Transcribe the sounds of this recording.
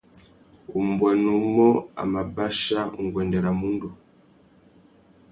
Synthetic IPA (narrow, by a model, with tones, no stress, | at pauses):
u˨m̩˨bwa˨nu˨˦mɔ˦a̰˨ma˨ba˦ʃa˦ṵ˨ŋ˨ɡwɛ˨ndɛ˨ɾa˨mu˦ndu˨